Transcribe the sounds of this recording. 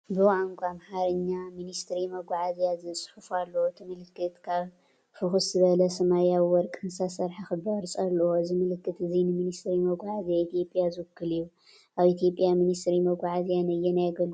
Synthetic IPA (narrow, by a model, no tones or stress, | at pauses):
bɨwʕaŋkʷʼamħaɾɨɲːaminist̪ɾimɐɡʷaʕazijazɨsʼħufalːɐwot̪ʰɨmɨlɨkːɨt̪kʰaβ | fɨxuszɨβɐlɐsɐmajawwɔɾkʼɨnsasɐɾħaxɨbɐɾsʼalːɐwoɨzimɨlɨkːɨt̪ɨzinɨminist̪ɾimɐɡʷaʕazijait̪ijo̞pʼjazɨwkːɨliju | ʔaβit̪ʰijo̞pʼjaminist̪ɾimɐɡʷaʕazijanɐjːɛnajaɡɐlu